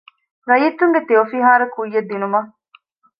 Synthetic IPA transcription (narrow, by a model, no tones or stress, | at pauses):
ɾɐjiːt̪ːuŋɡet̪eofiɦaːɾɐkujːed̪ːinumɐ